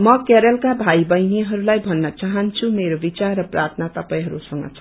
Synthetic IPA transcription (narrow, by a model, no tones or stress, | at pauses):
mʌkeɾʌlkabʱaibʌjnieɦʌɾulajbʱʌnːʌt͡saɦʌnt͡sʰumeɾobit͡sarːʌprʔat̪ʰnat̪ʌpaĩɦʌɾusʌŋɡʌ̰t͡sʰ